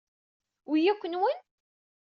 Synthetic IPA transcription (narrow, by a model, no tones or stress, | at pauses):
wijækʷːənwən